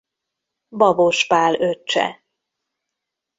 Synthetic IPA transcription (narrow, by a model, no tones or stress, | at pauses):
bɒboʃpaːløt͡ʃːɛ̰